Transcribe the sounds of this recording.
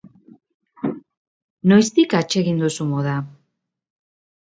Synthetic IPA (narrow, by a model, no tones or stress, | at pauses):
nojst̪ikat͡ʃe̞ɣind̪usumoða